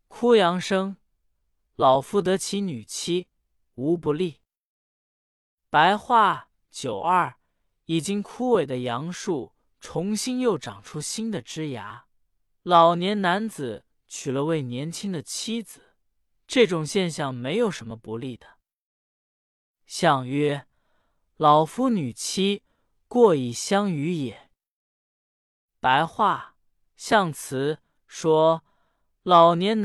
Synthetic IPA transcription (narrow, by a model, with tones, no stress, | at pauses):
kʰu˥jɑ˧˥ŋʂɤ˥ŋ | lɑ˨˩ʊfu˥˩t̪ɤ˧˥t͡ɕʰi˧˥ny˨˩t͡ɕʰi˥ | u˧˥pu˧˥li˥˩ | pa˧˥ɪxwa˥˩ | t͡ɕjo˨˩ʊɐ˞˥˩ | i˨˩t͡ɕi˥ŋkʰu˥we˨˩ɪd̪ə˦jɑ˧˥ŋʂu˥˩ | ʈ͡ʂʰʊ˧˥ŋɕi˥ŋjo˥˩ʊʈ͡ʂɑ˨˩ŋʈ͡ʂʰu˥ɕi˥nd̪ə˨ʈ͡ʂɻ̩˥ja˧˥ | lɑ˨˩ʊnjɛ˧˥nna˧˥nd͡zɹ̩˨˩˦ | t͡ɕʰy˨˩lə˦we˥˩ɪnjɛ˧˥nt͡ɕʰi˥ŋd̪ə˨t͡ɕʰi˥d͡zɹ̩˨˩ | ʈ͡ʂɤ˥˩ʈ͡ʂʊ˨˩ŋɕjɛ˥˧nɕjɑ˥˩ŋme˧˥ɪjo˨˩ʊʂə˧˥nmə˧pu˧˥li˥˩d̪ə˩ | ɕjɑ˥˧ŋɥɛ˥ | lɑ˨˩ʊfu˥ny˨˩t͡ɕʰi˥ | kwɔ˥˧i˨˩ɕjɑ˥ŋy˧˥jɛ˨˩˦ | pa˧˥ɪxwa˥˩ | ɕjɑ˥˩ŋt͡sʰɹ̩˧˥ | ʂwɔ˥ | lɑ˨˩ʊnjɛ˧˥n